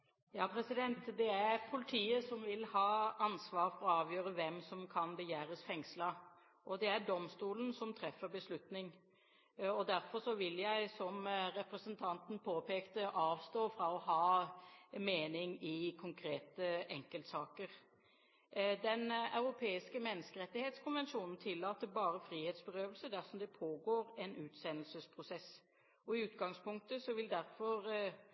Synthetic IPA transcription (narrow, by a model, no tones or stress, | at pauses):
jɑːpʰɾɛsɪd̪ɛnt̪d̪ɛæɾpʰʊlɪt̪ʰiːəsɔmʋɪlhɑːɑnsʋɑːɾfɔɾɔɑːʋjøːɾəʋɛmsɔmkʰɑnbəjæːɾəsfɛŋslɑ | ʔɔd̪ɛæɾɖɔmst̪uːlən̩sɔmt̪ʰɾɛfːəɾbəslʉt̪nɪŋ | ɔd̪æɾfɔɾʂɔʋɪljæɪsɔmɾɛpɾɛsənt̪ʰɑnt̪n̩pʰoːpeːkt̪əʔɑːʋst̪oːfɾɑɔɦɑː | meːnɪŋɪkʰʊŋkʰɾeːt̪əɛŋkəlt̪sɑːkəɾ | d̪ɛnɑ̰ʉɾʊpʰeːɪskəmɛnːəskəɾɛt̪ːɪheːt̪skʰʊnʋɛnʃuːnn̩t̪ʰɪlːɑːt̪əbɑːɾəfɾiːheːt̪sbəɾøːʋəlsəd̪æɾsɔmd̪ɛpʰoːɡoːɾɛnʔʉːt̪sɛnəlsəspʰʁʊsɛs | ɔɪʉːt̪ɡɑŋspʊŋk̚t̪əsɔʋɪld̪æɾfɔɾ